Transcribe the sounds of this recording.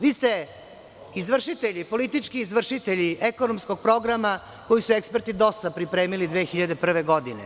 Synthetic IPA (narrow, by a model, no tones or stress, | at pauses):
ʋiːst̪e̞ | izʋr̩ʃit̪eʎipo̞lit̪it͡ʂkiːzʋr̩ʃit̪eʎiʔekonomsko̞ɡ̚pɾo̞ɡɾama | ko̞jisuekspe̞ɾt̪id̪o̞sapɾipɾe̞ːmilid̪ʋeːxiʎad̪e̞pr̩ʋeɡo̞d̪inḛ